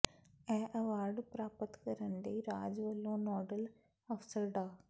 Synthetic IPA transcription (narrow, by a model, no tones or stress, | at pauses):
ɛ̃ːʔɐʋaːɾɖpɾaːpət̪kɐɾənd̪iːɾaːd͡ʒʋəlːõːnɔːɖəl | ɐfsəɾɖaː